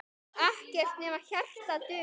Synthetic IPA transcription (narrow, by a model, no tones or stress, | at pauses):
ahcɛr̥t̪nɛːmḁçɛl̥t̪at̪ʏː